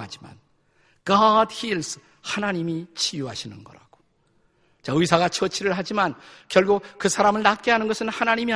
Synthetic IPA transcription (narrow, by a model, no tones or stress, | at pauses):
ad͡ʑima̰n | ɡ̥ʌdhils | hanaɲimit͡ɕʰijuɦaɕʰinɯnɡʌ̰ɾa̰ɡ̥o̥ | t͡ɕaɯisʰaɣat͡ɕʰʌt͡ɕʰiɾɯɭɦad͡ʑimankjʌɭɡuk̚kɯsʰaɾamɯɭnat̚k͈eɦanɯnɡʌsʰɯnhanaɲimi